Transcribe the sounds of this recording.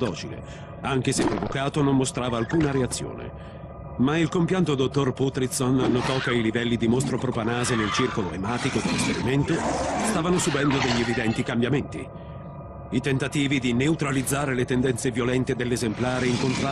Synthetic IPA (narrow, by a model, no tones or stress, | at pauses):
d̪ɔːt͡ʃilḛ | aŋk̟esepːɾovokaːt̪onommost̪ɾaːvaːlkuːnaɾeat̪sːjo̰ːnḛ | mailkompjant̪od̪ot̪ːorput̪ɾit̪sonːot̪ɔkːeilivɛlːid̪imost̪ɾopɾopanaːzenelt͡ʃirkoloemaːt̪ikod̪elːispeɾiment̪ost̪aːvanosubɛnd̪od̪eʎːievid̪ɛnt̪ikambjament̪ḭ | it̪ent̪at̪iːvid̪ineut̪ɾalid̪zːaːɾelet̪end̪ɛnt̪sevjolɛnt̪ed̪elːezemplaːɾeiŋkont̪ɾa